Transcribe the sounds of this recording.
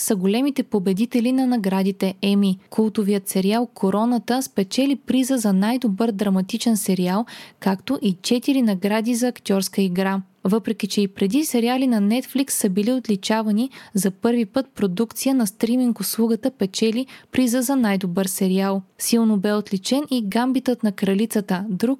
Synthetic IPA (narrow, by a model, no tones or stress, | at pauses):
sɐɡolɛmit̪ɛpobɛd̪it̪ɛlinɐnɐɡɾad̪it̪ɛɛmikʰulˠt̪ʊviət̪sɛɾialˠkʰoɾɔnɐt̪əspɛt͡ʃɛlipɾizəzɐnajd̪obɤɾd̪ɾɐmɐt̪it͡ʃɛnsɛɾialˠkakt̪oʔit͡ʃɛt̪iɾinɐɡɾad̪izɐːkt̪ʲɔɾskəiɡɾa | vɤpɾɛkʲit͡ʃɛipɾɛd̪isɛɾialinɐnɛt̪fliksːɐbiliot̪lit͡ʃavɐnizɐpɤɾvipɤt̪̚pɾod̪ukt̪sijənɐst̪ɾimiŋkoslˠuɡət̪əpɛt͡ʃɛlipɾizəzɐnajd̪obɤɾsɛɾialˠsilˠnobɛot̪lit͡ʃɛniɡambit̪ət̪nɐkɾɐlit̪sət̪əd̪ɾuk